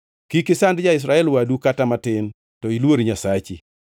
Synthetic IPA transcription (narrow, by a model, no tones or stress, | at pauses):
kikɪsandd͡ʒaɪs̬ɾaɛlwadukatamatɪn | tɔilwoɾiɲasat͡ʃi